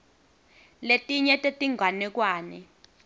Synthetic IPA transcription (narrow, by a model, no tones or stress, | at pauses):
letʼiɲɛtʼetʼiŋʱwanɛk̬waːnɛ